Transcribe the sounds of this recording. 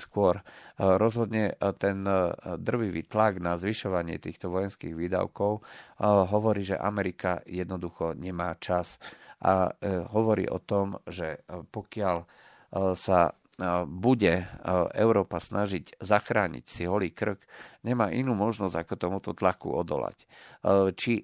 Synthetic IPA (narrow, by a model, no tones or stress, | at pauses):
skʊɔɾɾɔzɦɔd̪ɲɛt̪ɛnd̪r̩ʋiʋḭːt̪laɡnazʋiʃɔʋaɲɪɛ̰t̪iːxt̪ɔʋɔjɛnskiːɣʋiːd̪a̰ʊkɔʊɦɔʋɔɾiːʒɛ̰ʔa̰mɛɾikajɛd̪nɔd̪uxɔɲɛmaːt͡ʃasʔa̰ɦɔʋɔɾḭːʔɔ̰t̪ɔmʒɛpɔkɪal | sa | buɟɛʔɛʊɾɔːpasnaʒiczaxɾaːɲḭcsiɦɔliːkr̩kɲɛmaːʔinuːmɔʒnɔz̥akɔt̪ɔmut̪ɔt̪lakṵɔd̪ɔ̰la̰c | t͡ʃi